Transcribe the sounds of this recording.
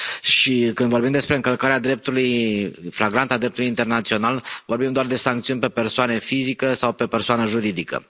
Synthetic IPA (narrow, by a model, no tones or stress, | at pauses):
ʃikɨnd̪vo̞rbimd̪e̞spɾeɨŋkəlkaɾead̪ɾe̞p̚t̪ulujflaɡɾant̪ad̪ɾe̞p̚t̪ulujint̪e̞rnat̪sio̞nalvo̞rbimd̪oard̪e̞saŋkt̪siunʲpe̞pe̞rsoane̞fizikəsawpe̞pe̞rsoanəʒuɾid̪ikə̰